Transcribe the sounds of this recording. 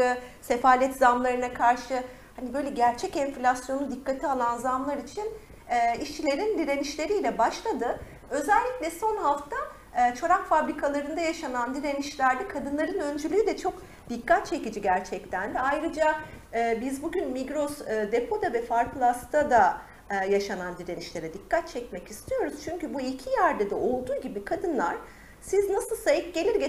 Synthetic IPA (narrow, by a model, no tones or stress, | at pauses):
ɯse̞faːlʲɛt̪zamlˠaɾɯnakʰaɾʃɯ | hanibø̞jlʲɛɟæɾt͡ʃʰɛcɛnflʲasjo̞nud̪ikʰːat̪ʰialˠanzamlˠaɾit͡ʃʰin | ɛːiʃt͡ʃʰilʲe̞ɾind̪iɾe̞niʃlʲe̞ɾiːlʲɛbaʃlˠad̪ɯ | ø̞zælʲːiclʲɛso̞nɦaft̪ʰaː | t͡ʃʰo̞ɾakfabɾikʰalˠaɾɯnd̪ajaʃanand̪iɾe̞niʃlʲæɾd̪ɛkʰad̪ɯnlˠaɾɯnø̞nd͡ʒylʲyːd̪ɛt͡ʃʰo̞k | d̪̥ikʰːat̪̚t͡ʃʰe̞cid͡ʒiɟæɾt͡ʃʰɛct̪ʰænd̪ɛajɾɯd͡ʒa | ɯːbizbuɟʲynmiɡɾo̞sːd̪e̞pʰo̞d̪avɛfaɾkʰlˠast̪ʰad̪a | jaʃanand̪iɾeniʃlʲe̞ɾɛd̪ikʰːat̪̚t͡ʃʰɛc̚mɛcist̪ʰijo̞ɾuz̥t͡ʃʰyɲcybuicʰijæɾd̪ɛd̪ɛo̞lˠd̪uːɟibikʰad̪ɯnlˠaɾ̥ | siznasɯlˠsajɯk̚ɟe̞lʲiɾɟe